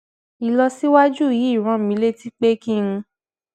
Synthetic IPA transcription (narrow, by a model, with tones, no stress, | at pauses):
i˨lɔ˧si˦wa˦d͡ʒu˦˨ji˨˦i˦˨ɾ̃ã˧˦˨mĩ˨˦le˦˨ti˦k͡pe˦ki˦˧ũ˧